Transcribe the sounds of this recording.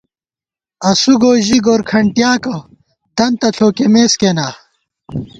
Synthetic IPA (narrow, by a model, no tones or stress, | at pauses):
ɐsuɡoːʑiɡoːɾkʰɐɳʈjaːkɐ | t̪ɐnt̪ɐɬʰoːkemeːskenaː